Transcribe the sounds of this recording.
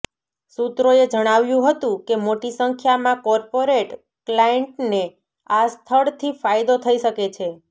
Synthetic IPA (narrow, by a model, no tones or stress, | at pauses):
sut̪ɾoed͡ʒəɽ̃aʋjũɦət̪ũkemoʈisəŋkʰjamãkɔɾpoɾeʈ | klajeɳʈne | ast̪ʰəɭt̪ʰifajd̪ot̪ʰəiʃəket͡ʃʰe